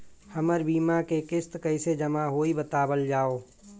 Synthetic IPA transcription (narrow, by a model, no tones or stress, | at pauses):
həməɾbiːmakekɪst̪kəɪsed͡ʒəmaɦoːibət̪aːbəld͡ʒaːoː